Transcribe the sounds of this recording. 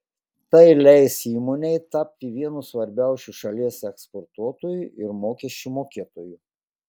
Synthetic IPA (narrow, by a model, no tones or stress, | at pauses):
t̪ɐɪlʲɛɪsiːmoːnʲɛɪt̪ɑpʲt̪ʲɪʋʲiɛnusʋɐɾʲbʲæˑʊsʲuʃɐlʲiɛsɛkspoɾt̪uɔt̪oːjuʔɪɾmoːkʲɛʃʲt͡ʃʲumoːkʲeːɛt̪oːju